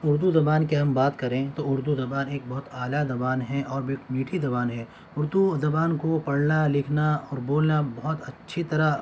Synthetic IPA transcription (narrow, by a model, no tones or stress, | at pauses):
ʊɾd̪uzɐbaːnkeɦɐmbaːt̪kɐɾẽt̪oʊɾd̪uzɐbaːneːk̚bɐɦʊt̪aːlazɐbaːnɦɛʔɔːɾbɪkmiːʈʰizɐbaːnɦɛː | ʊɾd̪uzɐbaːnkopɐɽnalɪkʰnaɔːɾboːlnabɐɦʊt̪ɐtːʃʰit̪ɐɾa